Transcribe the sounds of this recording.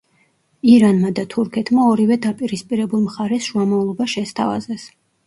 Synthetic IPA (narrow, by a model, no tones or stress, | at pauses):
iɾanmad̪at̪ʰuɾkʰɛt̪ʰmaɔɾivɛd̪apʼiɾispʼiɾɛbulˠmχaɾɛsʃuamɔvlˠɔbaʃɛst̪ʰava̰zɛs